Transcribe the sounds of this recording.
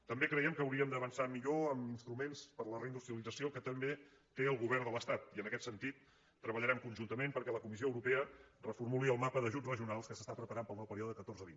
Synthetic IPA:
t̪əmbekɾəjɛmkəːwɾiəmd̪əβənsamiʎoəminst̪ɾumenspəɾlərəind̪ust̪ɾiəlid͡zəsiokət̪əmbe | t̪eəlˠɣuβɛrd̪ələst̪at̪iənəkɛt̪sənt̪it̪ː | ɾəβəʎəɾɛmkunʒunt̪əmempəɾkɛləkumisioəwɾupeərəfurmuliəlˠmapəðəʒud͡zrəʒiunalˠskəsəst̪apɾəpəɾampəlˠnawpəɾiɔðəəkət̪orzəβin

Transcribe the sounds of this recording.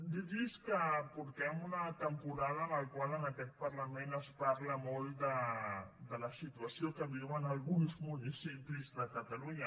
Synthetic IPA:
d̪id̪iskapurt̪ɛmunat̪ampuɾalanalkualanat̪ɛk̚paɾlamɛnaspaɾlamalid̪a | d̪alasit̪uasiokabilwanalɡunismoɲisimplislakat̪aluɲa

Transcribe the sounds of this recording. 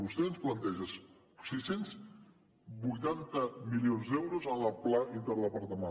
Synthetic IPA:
βust̪eðənsplant̪eʒəs | sesenz | βujt̪ant̪əmilionzd̪ewɾozalaplaʔint̪əɾlapəɾt̪əma

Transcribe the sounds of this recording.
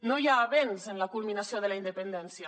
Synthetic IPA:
nojaːβenzenlakulˠminasioðəlaind̪əpənd̪ɛnsja

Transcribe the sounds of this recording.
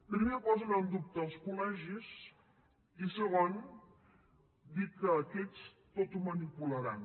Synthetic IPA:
pɾimepɔzənəlˠd̪up̚t̪əːlˠskulɛʒiz | isəɣon | d̪ikəːkɛt͡s | t̪ot̪umənipuləɾan

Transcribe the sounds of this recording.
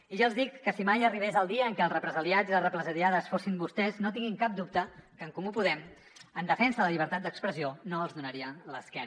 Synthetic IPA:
iʒaəlˠzðikːəsimajəriβ̞ezəlˠd̪iəːŋkɛəlˠrəpɾəzəljad͡ziəlˠrəpɾəzəɾjaðəsfosimbust̪ɛznot̪iŋɡiŋkap̚d̪up̚t̪əkəːŋkumupuðɛm | ənd̪əfɛnsələʎiβ̞əɾt̪at̪̚d̪əkspɾəzionoəlˠzðunəɾiənləskɛn

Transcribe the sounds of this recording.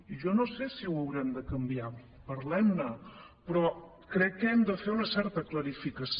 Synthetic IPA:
ʒɔnosesiwəwɾɛmd̪əkəmbia | pəɾlɛmnə | pɾɔ | kɾɛkːɛmd̪əfeunəsɛɾt̪əkləɾifikəs

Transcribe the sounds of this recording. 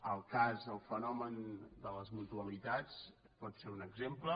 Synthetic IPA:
əlˠkazəlˠfənɔmənd̪ələzmut̪uəβlit̪at͡s | pɔt̪seɾunəɡzemplə

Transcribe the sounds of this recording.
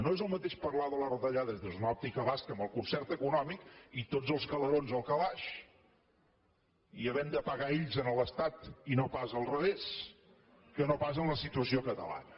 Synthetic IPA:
noezəlˠmət̪eʃpəɾlaðələrəðəʎaðezðəzunɔp̚t̪ikəβaskəməlˠkunsɛrt̪əkunɔmikit̪od͡zəlˠskələɾonzəlˠkəβaʃ | iəβɛmd̪əpəɣaiʎzənəlˠəst̪at̪inopazəlˠrəβes | kənopasənləsit̪uəsiokət̪ə̰la̰nə

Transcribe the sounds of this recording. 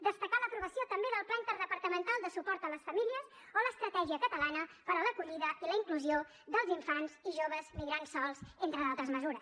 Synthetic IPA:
d̪əst̪əkaləpɾuβəsiot̪əmbeðəlˠplant̪əɾðəpəɾt̪əmənt̪alˠd̪əsupɔɾt̪ələsfəmiliəz | oləːst̪ɾət̪ɛʒiəkət̪əlanəfəɾaləkuʎiðəiləiŋkluzio | ðəlˠziɱfanziʒoβəzmiɣɾansːɔlˠzent̪ɾəðalˠt̪ɾəzməzuɾəs

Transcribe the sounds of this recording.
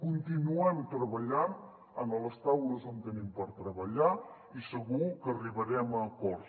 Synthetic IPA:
kunt̪inuɛmt̪ɾəβəʎan | ənələst̪awləzənt̪ənimpəɾt̪ɾəβəʎa | isəɣukəːriβəɾɛməkɔɾ

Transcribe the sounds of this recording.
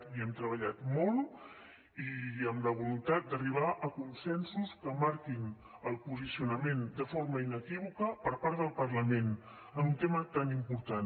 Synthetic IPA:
iɛmt̪ɾəβ̞əʎat̪mɔlˠ | iəmləβulunt̪at̪̚d̪əriβ̞aʔəkunsɛnsuskəmaɾkin | əlˠpuzisiunəmend̪əfoɾməinəkiβ̞ukəpəɾpaɾðəlˠpərləmen | əmunt̪emət̪animpuɾt̪an

